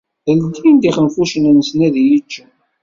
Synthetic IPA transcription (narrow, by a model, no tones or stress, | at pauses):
əld̪ind̪iχənfuʃənənəsnæðjət͡ʃːə